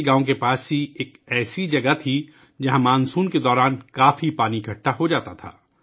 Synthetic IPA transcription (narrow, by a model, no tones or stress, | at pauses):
ɡaːõk̬epaːsɦieːkɛːsid͡ʒɐɡat̪ʰi | d͡ʒɐɦãmaːnsuːnked̪ɔːɾaːnkaːfipaːnikʰɐʈːaɦod͡ʒaːt̪at̪ʰa̰ː